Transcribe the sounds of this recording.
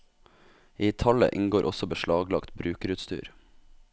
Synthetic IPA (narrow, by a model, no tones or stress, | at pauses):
iːt̪ʰɑlə̰ʔɪŋɡoːɾʔɔsɔbəʃɭɑːɡlɑkt̪bɾʉːkɾʉt̪st̪y̰ːɾ